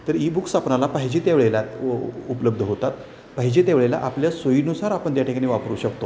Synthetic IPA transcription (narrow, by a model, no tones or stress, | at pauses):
t̪əɾibukst̪ʰapnalapaɦid͡ʑet̪jaʋɭelat̪upələb̚d̪ʱəɦot̪at̪ | paɦid͡ʑet̪jaʋɭela̰ʔapljasoinusaɾapəɳt̪jaʈʰikaɽ̃ĩːʋapəɾuːɕəkt̪o